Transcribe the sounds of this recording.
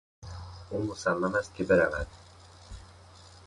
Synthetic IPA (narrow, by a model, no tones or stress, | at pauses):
umusamːamast̪̚kʰʲibeɾava̰d̪̥